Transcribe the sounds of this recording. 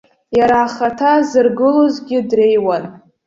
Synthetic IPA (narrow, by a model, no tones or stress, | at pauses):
jaɾaːχatʰazɨrɡɨlozɡʲɪdre̞jwan